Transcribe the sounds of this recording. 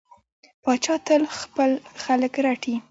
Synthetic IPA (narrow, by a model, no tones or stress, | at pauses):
pɑt͡ʃɑt̪əlxpəlxaləkɾaʈʰi